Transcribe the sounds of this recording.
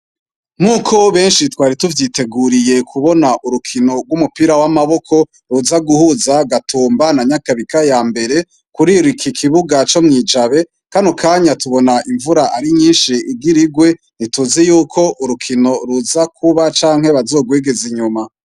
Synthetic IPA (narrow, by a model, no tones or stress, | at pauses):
muːkʰo̞βe̞ːnʃitwaːɾituvjiːte̞ɡuɾije̞kʰuβo̞naʔuɾukʰino̞ɡwumupiɾawamaβo̞kʰo̞ | ɾuzaɡuhuzaɡatʰuːmbanaɲakaβikajaːmbe̞ɾe̞ | kuɾiɾikʰikʰiβuɡat͡ʃo̞mŋiːd͡ʒaβe̞ | kanokʰaɲatuβo̞naʔiɱvuɾaʔaɾiɲiːnʃiiɡiɾiɡwe̞ | nituzijuːkʰo̞ʔuɾukʰino̞ɾuzakʰuβat͡ʃaːŋhe̞βazo̞ːɡweːɡe̞ziɲuma